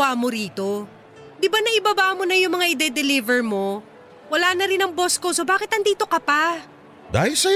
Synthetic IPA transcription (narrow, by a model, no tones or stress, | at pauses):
aːmo̞ɾiːt̪o̞ | d̪ɪbanɐʔɪbɐbaːmo̞nɐjʊŋmɐŋaʔɪd̪ɛd̪ɛliːvɛɹmo̞ | wɐlaːnɐɾɪnɐŋbo̞skosobaːkɪt̪ɐnd̪iːt̪o̞kɐpa | d̪a̰ːhɪlsɐ